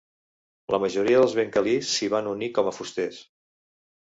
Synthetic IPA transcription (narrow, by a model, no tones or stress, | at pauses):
ləməʒuɾiəðəlˠzβeŋkəlisːiβ̞anunikɔməfust̪es